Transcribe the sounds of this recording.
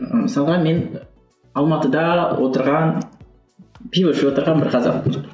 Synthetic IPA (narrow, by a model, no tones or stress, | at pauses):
mɪsɑlˠʁɑme̞n | ɑlˠmɑt̪əd̪ɑwʔo̞t̪əɾʁɑn | pʲivoʃwo̞t̪əɾʁɑnbɪɾqʰɑzɑ̰mbu